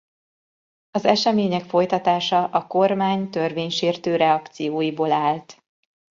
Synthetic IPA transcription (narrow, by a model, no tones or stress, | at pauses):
ɒzɛʃɛmeːɲɛkfo̞jt̪ɒt̪aːʃɒʔɒko̞rmaːɲt̪ø̞rveːɲʃeːrt̪øːɾɛɒkt̪sijoːjiboːlaːlt̪